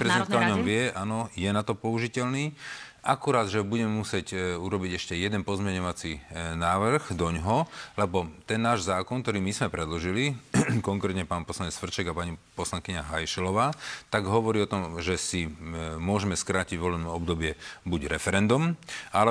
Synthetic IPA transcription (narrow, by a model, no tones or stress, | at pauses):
pɾɛzid̪ɛnkaɔɲɔmʋɪɛʔanɔjɛnat̪ɔpɔuʒicɛlniːʔakuɾaːd̪ʒɛbuɟɛmɛmusɪɛcuɾɔbiɟɛʃcɛjɛd̪ɛnpɔzmɛɲɔʋat͡sinaːʋr̩ɣd̪ɔɲɦɔlɛbɔt̪ɛnːaːʒzaːkɔnkt̪ɔɾiːmizmɛpɾɛd̪lɔʒilikɔŋkɾɛːt̪ɲɛpaːnpɔslaɲɛt͡sfr̩t͡ʃɛɡapaɲipɔslaŋkiɲaɦajʃɛlɔʋaːt̪aɡɦɔʋɔɾiːɔt̪ɔmʒɛsimʊɔʒɛmɛskɾaːciɟʋɔlɛbnɛɔbd̪ɔbɪɛbuɟɾɛfɛɾɛnd̪umʔalɛ